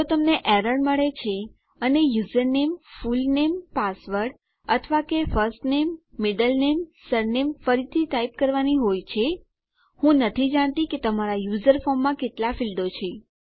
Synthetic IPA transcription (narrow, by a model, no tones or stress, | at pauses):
ot̪əmneʔɛɾəɽməɭet͡ʃʰe | ənejuzəɾnemfulnempasʋəɾɖ | ət̪ʰʋakefəɾsʈnemːɪɖəlnemsəɾnemfəɾit̪ʰiʈaip̚kəɾʋaniɦojt͡ʃʰe | hũnət̪ʰid͡ʒaɳ̃t̪ĩket̪əmaɾajuzəɾfɔmːãkeʈlafild̪ot͡ʃʰe